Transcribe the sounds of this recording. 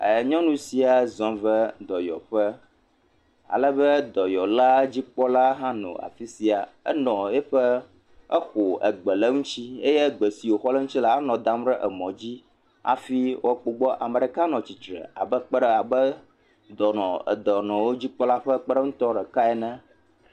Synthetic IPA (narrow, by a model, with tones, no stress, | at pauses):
ə˨ɲɔ̃˦nũ˦si˨a˨zɔ̃˦və˦d̪ɔ˨jɔ̰˨ɸə˦ | a̰˨lɛ˦bə˦d̪ɔ˨jɔ˨la˦d͡ʑi˦k͡pɔ˦la˦ɦã˦nɔ̰̃˨a̰˨fi˦si˨a˨ɛ̰˦nɔ̃˨ɛ˦ɸɛ˦ | ɛ˦xo˨ə˨ɡ͡bɛ˨lɛ˦ŋũ˦t͡ɕi˦e˦jɛ˦ɡ͡bə˨si˨wo˨xɔ˦lə˦ŋ̩ũ˦t͡ɕi˦la˦a˦nɔ̃˨d̪a˦mɖə˦ʔɛ˨mɔ̃˨d͡ʑi˦ | a̰˨fi˦wo˦k͡po˨ɡ͡bɔ˦ʔa˨mə˨ɖɛ˨ka˦nɔ̃˨t͡ɕi˨tɾɛ̰˨a̰˨bə˦k͡pɛ˦ɖɛ˦a˨bə˦ | d̪ɔ˨nɔ̃˨ə̰˨d̪ɔ˨nɔ̃˨wo˦d͡ʑi˦k͡pɔ˦la˦ɸə˦k͡pə˦ɖɛ˦ŋũ˦t̪ɔ˦ɖɛ˨ka˦ɛ˨nɛ̃˦